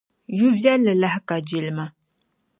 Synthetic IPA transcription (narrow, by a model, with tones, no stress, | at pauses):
ju˦vja˦lːɨ˨la˦ɦka˨d͡ʒi˨lma˦